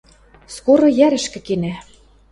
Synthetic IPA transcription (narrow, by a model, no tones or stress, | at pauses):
skoɾɤ̆jæɾɘ̆ʃkɘ̆kenæ